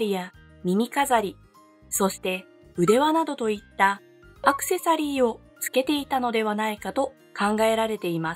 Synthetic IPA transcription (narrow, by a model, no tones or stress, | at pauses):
ɾʲija | mʲimʲikazaɾʲi | so̞ɕi̥t̪e̞ | ɯ̟d̪e̞βanad̪o̞t̪o̞it̪ːa | akɯ̟̥se̞saɾʲiːo̞ | t͡sɨ̥ke̞t̪e̞it̪ano̞d̪e̞β̞anaikat̪o̞ | kʰãŋɡae̞ɾaɾe̞t̪e̞ima